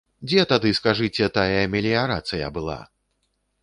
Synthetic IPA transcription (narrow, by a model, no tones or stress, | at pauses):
d͡zʲɛt̪ad̪ɨskaʐɨt͡sʲɛt̪ajɐmʲɛlʲiaɾat̪sɨjɐ̰bɨlˠa̰